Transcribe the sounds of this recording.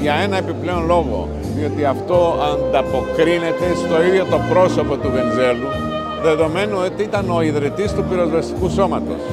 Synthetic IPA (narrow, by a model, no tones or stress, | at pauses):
ʝɐe̞nɐepiple̞o̞nlo̞ɣo̞̰ | ðio̞t̪iɐft̪o̞ɐnd̪ɐpo̞kɾine̞t̪e̞st̪o̞iðʝo̞t̪o̞pɾo̞so̞po̞t̪uve̞nze̞lu | ðe̞ðo̞me̞nuot̪iit̪ɐno̞iðɾit̪ist̪upiɾo̞zvɐst̪ikuso̞mɐt̪o̞̰s